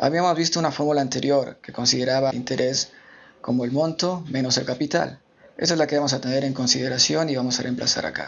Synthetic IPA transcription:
a̰βiamo̞zβist̪ounafo̞ɾmulaːnt̪e̞ɾjo̞ɾke̞ko̞nsið̞e̞ɾaβaḭnt̪e̞ɾʔe̞sko̞moelmõ̞nt̪o̞me̞no̞se̞lkapit̪a̰l | estoezlake̞βamo̞s̬at̪eneɾe̞ŋko̞nsið̞e̞ɾasjo̞niβamo̞sare̞mpla̰sa̰ɾa̰ka̰

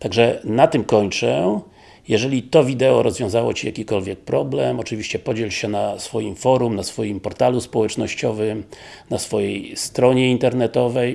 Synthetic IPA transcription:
t̪aɡʐɛnat̪ɘmkɔɲt͡ʂɛ | jɛʐɛlʲit̪ɔvʲid̪ɛɔɾɔzvʲjɔ̃w̃zawɔt͡ɕijakʲikɔlvʲjɛk̚pɾɔblɛmɔt͡ʂɨvʲiɕt͡ɕɛpɔd͡ʑɛlɕɛnasfɔjimfɔɾumnasfɔjimpɔɾt̪aluspɔwɛt͡ʂnɔɕt͡ɕɔvɘm | nasfɔjɛjst̪ɾɔɲɛint̪ɛɾnɛt̪ɔvɛj

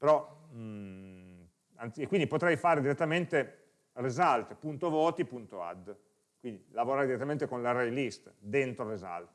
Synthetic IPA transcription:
peɾɔ | anekːwind̪ipot̪ɾɛjfaːɾed̪iɾet̪ːament̪e | rezalt̪punt̪ovoːt̪ipunt̪oa̰d̪ː | kwind̪ilavoɾaːjd̪iɾet̪ːamẽnt̪ekonlaɾejlist̪d̪ent̪ɾoreza̰lt̪

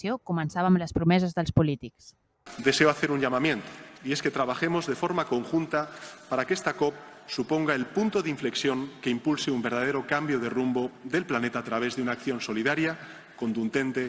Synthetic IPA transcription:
jokumənsaβaːmləspɾumɛzəzðəlˠspulit̪iks | d̪e̞seoaθe̞ɾuɲʎamamje̞nt̪o̥iesket̪ɾaβ̞axemozðe̞fo̞ɾmakoŋxunt̪apaɾakest̪akop̚ | supo̞ŋɡaelpunt̪oðiɱfleksjoŋke̞impulseumbeɾð̞að̞eɾokambjoðerumboðe̞lplanet̪aːt̪ɾaβ̞ezðeunaːkθjo̞nso̞liðaɾja | kont̪und̪e̞nt̪e

